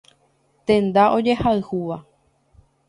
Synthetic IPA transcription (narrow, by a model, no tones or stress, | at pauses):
t̪ẽ̞nd̪aʔo̞d͡ʒe̞haɨhuʋa